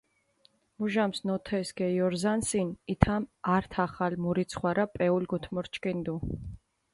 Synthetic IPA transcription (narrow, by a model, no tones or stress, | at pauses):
muʒamsnɔt̪ʰɛsɡ̥ɛjɔɾzansinit̪ʰamaɾt̪ʰaχalmuɾit̪sʰχwaɾapʼɛulɡɔt̪ʰmɔɾt͡ʃkʼind̪u